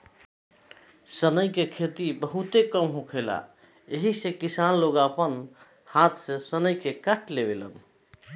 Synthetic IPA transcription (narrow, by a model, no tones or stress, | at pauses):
sənəjkekʰet̪ibəɦut̪ekəmɦõkʰela̰ | eɦisẽkisanloɡapən | hat̪ʰsẽsənəjkekəʈʰlebelə̰n